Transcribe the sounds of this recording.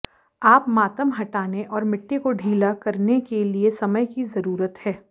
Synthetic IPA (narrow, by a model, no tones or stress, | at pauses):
aːpmaːt̪əmɦɐʈaːneʔɔːɾmɪʈːekoɖʱiːlakɐɾnekeliesɐməjkizɐɾuːɾət̪hɛː